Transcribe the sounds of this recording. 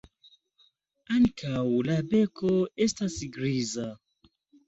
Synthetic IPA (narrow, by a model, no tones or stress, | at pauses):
anikʰawulabɛkoestasiɡɾiza